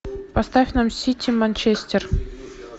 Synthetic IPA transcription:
past̪afʲnɑmsʲitʲʰːimanʲt͡ɕesʲtʲer

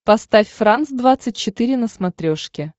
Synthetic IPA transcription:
pɐst̪afʲfransd̪vat̪sɨt̚ʲt͡ɕɪt̪ɨɾʲɪnəsmɐt̪ɾʲoʂkʲɪ

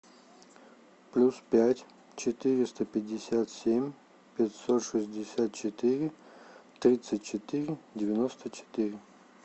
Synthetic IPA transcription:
plʲuspʲætʲ | t͡ɕɪt̪ɨɾʲɪst̪əpʲɪdʲːɪsʲat̪sʲemʲ | pʲɪtʲsot̪ʂɨsʲdʲɪsʲat̪̚t͡ɕɪt̪ɨɾʲɪt̪ɾʲit̪sɨtʲt͡ɕɪt̪ɨɾʲɪdʲɪvʲɪnost̪ət͡ɕɪ̥t̪iɾʲɪ

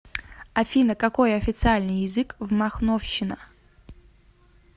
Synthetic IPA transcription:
ɐfʲinəkɐko̞jɐfʲɪt̪sɨalʲnɨjɪzɨkvmɐxnofɕɪnə

